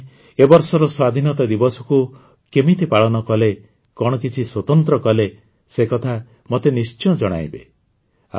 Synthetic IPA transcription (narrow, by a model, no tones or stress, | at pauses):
ebɔɾsɔɾɔswad̪ʱinɔt̪ad̪ibɔsɔku | kemit̪ipaɭɔnɔkɔle | kɔɽ̃ɔkit͡ʃʰiswɔt̪ɔnt̪ɾɔkɔle | sekɔt̪ʰa | mot̪enist͡ʃɔɔd͡ʒɔɽ̃a̰jbḛ | a̰